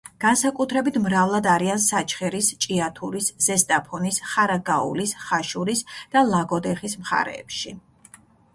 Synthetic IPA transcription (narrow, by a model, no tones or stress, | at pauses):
ɡ̥ansakʼut̪ʰɾɛbit̪ʰmɾavlˠad̪aɾiansat͡ʃʰχɛɾist͡ʃʼiat̪ʰuɾisz̥ɛst̪ʼapʰɔnisχaɾaɡaṵlisχaʃuɾisd̪̥alˠaɡɔd̪ɛχismχa̰ɾɛ̰ːpʃi